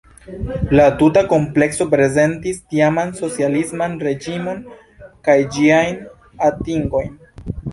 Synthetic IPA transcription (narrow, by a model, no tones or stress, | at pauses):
latutako̞mple̞kso̞pɾe̞ze̞ntistiamanso̞t͡sialismanɾe̞d͡ʒimo̞n | kajd͡ʒiajn | atiŋɡo̞jn